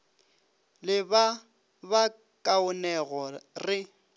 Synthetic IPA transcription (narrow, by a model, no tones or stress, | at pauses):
lɪba | ba | kʼaʊnɛɣɔrɪ